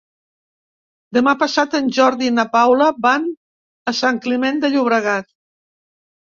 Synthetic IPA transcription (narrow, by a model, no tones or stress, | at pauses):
d̪əmapəsat̪ənʲʒɔɾðinapawləban | əsaŋklimend̪əʎuβ̞ɾəɣat̪